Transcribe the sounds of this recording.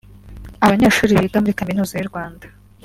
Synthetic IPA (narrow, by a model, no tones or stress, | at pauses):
aβaɲaːʃuːɾiβiːɡamuɾikaminuːzajuɾɡwaːndḁ